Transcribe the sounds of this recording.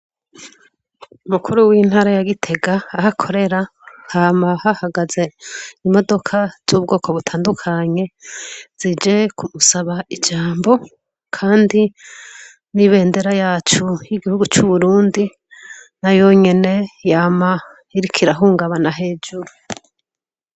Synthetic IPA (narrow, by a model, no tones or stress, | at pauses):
umukʰuɾuwiːn̥haːɾajaɡitʰe̞ɡaːhakʰo̞ɾe̞ɾahaːmahahaɡaze̞imo̞do̞kʰazzuːb̚ɡo̞ːkʰo̞βutʰaːndukʰaɲe̞z̥id͡ʒe̞kʰumusaβaid͡ʒaːmbo̞ | kʰaːndi | niβe̞ːnde̞ɾajaːt͡ʃujiɡihuɡut͡ʃuβuɾuːndi | najo̞ɲe̞ne̞jama | iɾikʰiɾaɦuːŋɡaβanaɦe̞ːd͡ʒuɾu